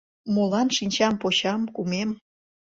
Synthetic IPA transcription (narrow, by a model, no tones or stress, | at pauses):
molɑnʃinʲt͡ɕɑmpoɕɑmkumem